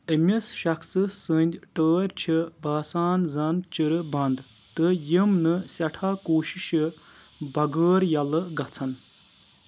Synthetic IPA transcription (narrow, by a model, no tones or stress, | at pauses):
əmʲisʃɐksɨsɨnʲd̪ʲʈəːɾʲt͡ʃʰibaːsaːnzɐnd̪t͡ʃɨɾɨbɐnd̪ | t̪ɨjimnɨsʲɐʈʰaːkoːʃiʃɨ | bɐɡəːɾjɐlɨɡɐt͡sʰɐn